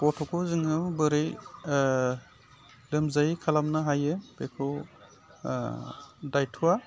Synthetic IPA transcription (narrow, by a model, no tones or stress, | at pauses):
pɔtʰɔkʰɔzɯŋɯbɯɾɯj | lɯmzajikʰalamnaɦajɯbekʰɯw | dajtʰuwa